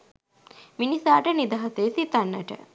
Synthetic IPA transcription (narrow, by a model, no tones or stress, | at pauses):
minisaːʈənid̪aɦaseːsit̪anːəʈə̰